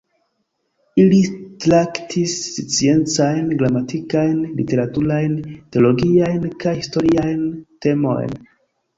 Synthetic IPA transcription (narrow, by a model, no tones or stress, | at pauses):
ilitɾaktʰist͡sie̞nt͡sajnɡɾamatikajnlḭte̞ɾatuɾajnteo̞lo̞ɡiajnkajhisto̞ɾiajnte̞mo̞̰jn